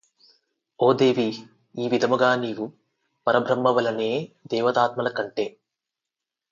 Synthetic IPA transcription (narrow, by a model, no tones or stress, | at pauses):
oːd̪e̞ːʋi | iːʋid̪ʱɐmuɡaːniːʋu | pɐɾɐbʱɾɐmːɐʋɐlɐne̞ːd̪ɛːʋɐt̪aːt̪mɐlɐkɐɳʈeː